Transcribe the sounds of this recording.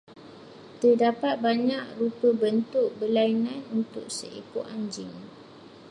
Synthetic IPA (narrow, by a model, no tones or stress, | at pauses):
t̪ədapat̪̚baɲaʔrupəbənt̪ʊk̚bəlainãnunt̪ʊk̚sə̰ʔipuʔaɲd͡ʒɪŋ